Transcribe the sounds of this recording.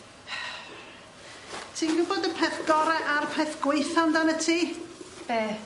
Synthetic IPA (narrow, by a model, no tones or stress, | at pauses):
tʰiːɡʊboːdəpʰɛθɡ̥ɔɾɛʔaɾpʰɛθɡ̥wejθandanətʰiːb̥ɛː